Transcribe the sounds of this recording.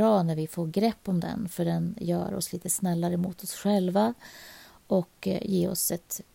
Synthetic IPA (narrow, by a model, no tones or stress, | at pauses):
ɾɑːnæɾvɪfoːɾɡɾɛpːɔmd̪ɛ̰nfœɖɛnjœ̰ːɾɔ̰sliːt̪əsnɛlːaɾəmṵːt̪ʰɔsɧɛlva | ʔɔkjeːɔ̰sɛt̪